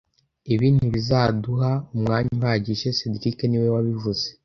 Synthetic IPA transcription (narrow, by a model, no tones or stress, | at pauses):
iβiːnduβizaːduhaumŋaːɲuhaɟiʃe̞sediɾikeniwewaβivuze